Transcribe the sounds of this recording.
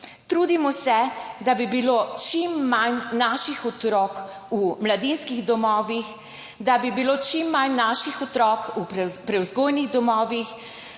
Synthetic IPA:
t̪ɾuːd̪imɔsɛd̪abibiloːt͡ʃimːannaːʃixɔt̪ɾɔːk | umlad̪inskiɣd̪ɔmɔːʋix | d̪abibiloːt͡ʃimːanːaːʃixɔt̪ɾɔːkuppɾɛwzɡoːjniɣd̪ɔmɔːʋix

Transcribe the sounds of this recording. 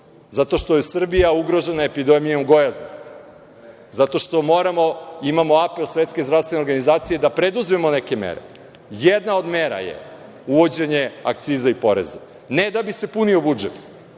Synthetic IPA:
zat̪o̞ʃt̪ojesr̩bijauɡɾo̞ʒe̞naepid̪emijauɡo̞jaznost̪ | zat̪o̞ʃt̪o̞mo̞ɾamo̞imamo̞ape̞lsʋe̞t̪ske̞zd̪ɾavst̪ʋenoɾɡanizaːt̪sije̞d̪apɾed̪uzmemo̞neke̞mḛɾe̞̰ | jed̪nao̞d̪meɾa̰jḛ | uʋo̞d͡ʑe̞ɲe̞a̰k̚t̪siːzaipo̞ɾḛza | ned̪abise̞punio̞bud͡ʒet̪

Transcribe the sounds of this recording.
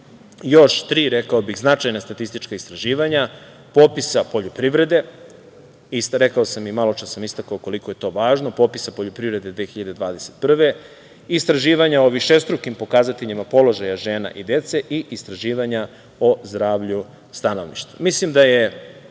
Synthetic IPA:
jo̞ʃt̪ɾiːɾekaobixznat͡ʃajnast̪at̪ist̪it͡ʃkaist̪ɾaʒiːʋaɲa | po̞ːpisapo̞ʎupɾiʋɾe̞d̪e̞ | isɾe̞kaosamimalot͡ʃt̪asamist̪akaoko̞likoje̞t̪o̞ːʋaːʒnopo̞pisapo̞ʎupɾivɾe̞d̪e̞d̪ʋeːxiʎad̪e̞d̪ʋaːd̪e̞set̪pr̩ʋe̞ | ist̪ɾaʒiːʋaɲaoʋiʃest̪ɾukimpo̞kaːzat̪eʎimapo̞lo̞ʒajaʒe̞ːna̰ʔid̪e̞t̪se̞ʔiʔist̪ɾaʒiːʋaɲa | o̞zd̪ɾaːʋʎu | st̪anoʋniʃt̪amislimd̪aje

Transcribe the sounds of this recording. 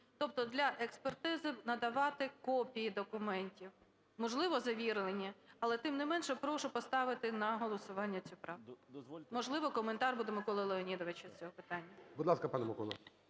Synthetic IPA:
t̪ɔp̚t̪ɔd̪lʲɐʔekspert̪ɪzɪnɐd̪ɐʋɑt̪ɪkɔpʲijid̪ɔkʊmɛnʲtʲiw | mɔʒlˠɪʋɔzɐʋʲiɾlˠenʲiɐlˠɛt̪ɪmnɪmɛnʃɛpɾɔʃʊpɔst̪ɑʋɪt̪ɪnɐɦɔlˠɔsʊʋɑnʲːɐt͡sʲupɾɑ | mɔʒlˠɪʋɔkɔment̪ɑrbud̪ɛmɪkɔlˠɐlˠeɔnʲid̪ɔʋet͡ʃɪst͡sʲɔɦɔpɪt̪ɑnʲːɐbʊd̪ˠɑskɐpɑnɛmɪkɔ̰lˠɐ̰

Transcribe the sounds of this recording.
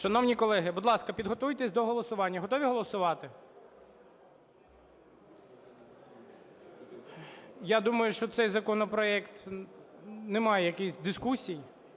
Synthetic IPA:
ʃɐnɔwnʲikɔlˠɛɦɪbʊd̪lˠɑskɐpʲid̪ɦɔt̪ujt̪esʲd̪ɔɦɔlˠɔsʊʋɑnʲːɐɦɔt̪ɔʋʲiɦɔlˠɔsʊʋɑt̪ɪ | jad̪umɐjʊʃt͡ʃɔt̪sɛjzɐkɔnɔpɾɔɛkt̪ | nɛmɑjɛjɐkisʲd̪ɪskusʲiji

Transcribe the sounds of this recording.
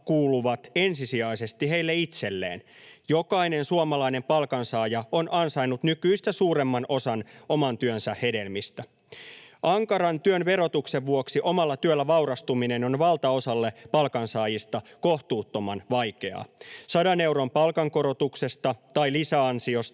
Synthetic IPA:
kuːluʋɑt̪e̞nsisiɑise̞st̪ihe̞jlːeit̪se̞lːḛːnjo̞kɑinensuomɑlɑine̞mpɑlkɑnsɑːjɑo̞nɑnsɑinːut̪nykyist̪æsuːɾe̞mːɑnʔosɑnʔo̞mɑnt̪yønsæhe̞de̞lmist̪æ | ʔɑŋkɑɾɑnt̪yønʋe̞ɾo̞t̪ukseʋʋuoksiʔo̞mɑlːɑt̪yølːæʋɑuɾɑst̪umineno̞nʋɑlt̪ɑo̞sɑlːepɑlkɑnsɑːjist̪ɑkoht̪uːt̪ːo̞mɑnʋɑjke̞ɑ̰sɑdɑne̞wɾo̞mpɑlkɑŋko̞ɾo̞t̪ukse̞st̪ɑt̪ɑjlisæɑnsio̞st̪

